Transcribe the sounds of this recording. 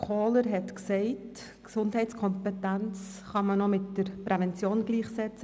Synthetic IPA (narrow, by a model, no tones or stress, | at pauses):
kʰoːləɾɦɛtksɛɪt | ksʊndɦɛɪt͡skʰɔmpɛtænt͡s | χɑmənomɪtdəɾpɾɛvɛnt͡sjoːnɡliːχsɛt͡sə